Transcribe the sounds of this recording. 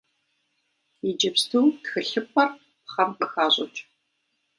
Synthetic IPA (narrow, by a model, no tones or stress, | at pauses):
id͡ʒɐpstʰuːtxɨɬɨpʷʰʼɐr | pχɐmqəxaːɕʼɐ̰t͡ʃʼ